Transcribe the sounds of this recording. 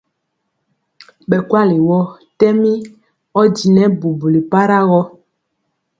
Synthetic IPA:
ɓɛ˨kwa˦li˨wɔ˦ | tɛ˦mi˦ | ɔ˦di˨nɛ˦bu˨bu˨li˨pa˦ɾa˦ɣɔ˦

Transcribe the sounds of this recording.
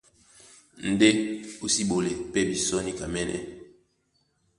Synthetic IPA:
n̩˨de˦u˦si˦ɓo˨le˨pɛ˦bi˨sɔ˦ni˦ka˨mɛ˦nʔɛ̰˦

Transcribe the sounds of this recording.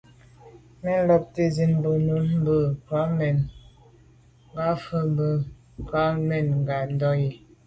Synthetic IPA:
mɛ˦n˦lɔ˦p̚te˦zi˦nbə˨nu˨˦nm̩˦bə˦pwa˨˦mɛ˨n | ŋ˦ɡa˦fə˦m˦bə˦ | pa˨˦mɛ˨nŋ˨ɡa˨n˦dɔ˦ji˨

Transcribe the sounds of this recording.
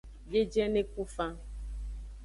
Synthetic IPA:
je˦d͡ʒɛ˦nẽ˦ku˦fã˦

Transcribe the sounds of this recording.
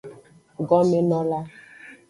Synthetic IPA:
ɡɔ˦me˦nɔ˦la˦

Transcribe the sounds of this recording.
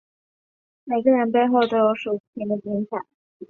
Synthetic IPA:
me˨˩ɪɡə˦˧ɻə˧˥npe˥˧ɪxo˥˩ʊt̪o˥ʊjo˧˥ʊʂu˨˩˥t͡ɕ̪ʰi˧˥nd̪ə˨˧t͡ɕi˧˥ŋɕʰa̰˨˩˦ŋ

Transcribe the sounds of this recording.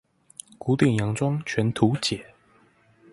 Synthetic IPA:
ku˧˥t̪i˥˩ŋjɑ˧˥ŋt͡swɑ˥ŋt͡ɕʰɥɛ˨˧˥nt̪ʰu˨˦t͡ɕjɛ˨˩˦

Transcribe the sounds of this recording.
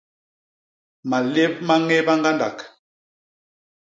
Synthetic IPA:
ma˨le˦p̚ma˦ŋe˦ba˦ŋɡa˦nda̰˨k

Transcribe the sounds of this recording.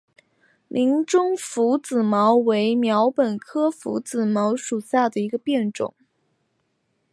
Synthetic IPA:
lʔi˧˥ŋʈ͡ʂʊ˥ŋfu˧˥t͡sɹ̩˨˩mɑ˧˥ʊwe˧˥ɪmjɑ˧˥ʊpə˨˩nkʰɤ˥fṵ˧˥t͡sɹ̩˨˩mɑ˧˥ʊʂu˨˩ɕja˥˩d̪ə˩i˧˥ɡə˧pjɛ˥˩nʈ͡ʂʊ̰˨˩˦ŋ

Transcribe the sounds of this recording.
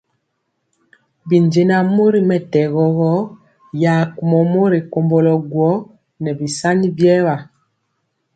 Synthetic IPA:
bi˨nd͡ʒe˨na˨mo˦ɾi˨mɛ˨tɛ˨ɣɔ˨ɣɔ˦ | ja˨ku˨mɔ˨mo˦ɾi˨ko˨mbɔ˨lɔ˨ɡwɔ˦ | nɛ˨bi˨sa˦ni˦bjɛ˦βa˨

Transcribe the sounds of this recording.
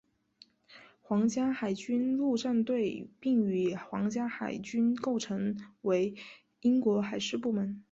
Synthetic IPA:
xwɑ˧˥ŋt͡ɕja˥xa˨˩ɪt͡ɕy˥nlu˥˧ʈ͡ʂa˥˧nt̪we˥˧ɪpi˥˩ŋy˨˩xwɑ˧˥ŋt͡ɕja˥xa˨˩ɪt͡ɕy˥nko˥˩ʊʈ͡ʂʰɤ˧˥ŋwe˧˥ɪ | i˥ŋkwɔ˧˥xa˨˩ɪʂɻ̩˥˧pu˥˩mə˧˥n

